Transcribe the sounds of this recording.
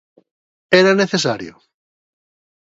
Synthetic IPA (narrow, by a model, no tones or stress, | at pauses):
eɾaneθesaɾjo̰